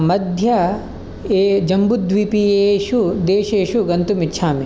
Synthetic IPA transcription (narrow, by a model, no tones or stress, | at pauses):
mɐd̪ʱjɐ | eːd͡ʒɐmbud̪ʋipieʃud̪eːʃeːʃuɡɐnt̪umitːʃʰaːmi